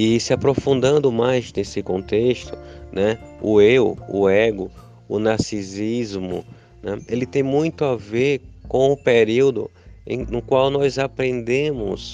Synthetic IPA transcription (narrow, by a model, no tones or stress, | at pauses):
ɪsɪapɾofũnd̪ɐ̃nd̪ʊmajznesɪkõnt̪eʃt̪ʊnɛʊ̰ewʊɛɡʊ | ʊ̰nasizizmʊ̰ | nɛ̃elɪt̪ẽj̃mũj̃t̪ʊaveɾkõw̃ʊpeɾiwd̪ʊ̰ḛ̃j̃nʊkwawnɔjzapɾẽnd̪ẽmʊ̰s